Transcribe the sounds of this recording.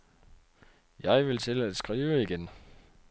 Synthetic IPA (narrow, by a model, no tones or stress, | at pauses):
jɑ̈ɪʋe̝lt͡sʰe̝læd̥sɡ̥ʁiːʊəiɡ̥en